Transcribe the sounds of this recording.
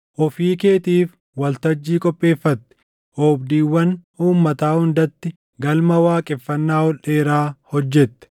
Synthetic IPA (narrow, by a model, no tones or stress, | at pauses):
ʔɔfiːkeːt̪iːf | wɐlt̪ɐd͡ʒːiːkʼɔpʼːe̞ːfːɐt̪ːɪ̥ | ʔoːbd̪iːwːɐnhuːmːɐt̪aːhʊnd̪ɐt̪ːɪ | ɡɐlmɐwaːkʼɪfːɐnːaːɔlʔeːɾaːhɔd͡ʒːɛt̪ːɛ̥